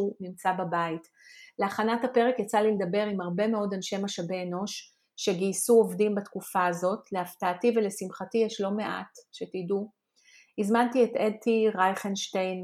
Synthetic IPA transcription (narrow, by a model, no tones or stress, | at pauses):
unimt͡sababait | leaχanathape̞ʁe̞kjat͡saliled̪ɐbe̞ʁimhaʁbe̞me̞o̞danʃe̞maʃabeːno̞ʃ | ʃeɡiːsuo̞vdimbatkufaːzo̞tleaftaːtivelesimχatijeʃlo̞me̞ʔa̰tʃetidu | izmantietedtʰiʁajχenʃtejn